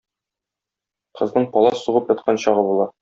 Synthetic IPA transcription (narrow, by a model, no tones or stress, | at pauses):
qɤ̆znɤɴpɒlˠɑsuʁɤpjɒt̪̚qʰɑnɕɒʁɤbulˠɑ